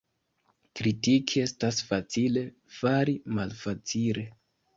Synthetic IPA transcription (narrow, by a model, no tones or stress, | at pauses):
kɾitikʰie̞stasfat͡sile̞ | faɾimalfat͡sile̞